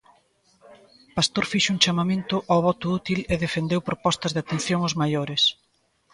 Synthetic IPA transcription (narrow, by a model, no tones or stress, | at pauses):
past̪oɾfiʃuŋt͡ʃamamẽnt̪ʊʔawβɔt̪ʊut̪ileðefend̪ewpɾopɔst̪ɐzðeat̪enθjoŋozmajoɾɪs